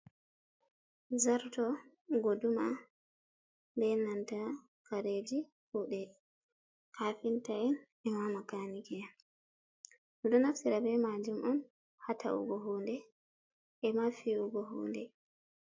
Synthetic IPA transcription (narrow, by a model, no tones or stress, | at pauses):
zaɾtɔ | ɡoduma | mbɛnanta | kaɾed͡ʒi | huɗɛ | kʰaːfintain | ɛmamakanikɛja | nɔɗɔnaftiɾabɛmad͡ʒumʔɔn | hatʰa̰ʔṵɡɔɦondɛ | ʔɛmafiuɡɔɦo̰ːndɛ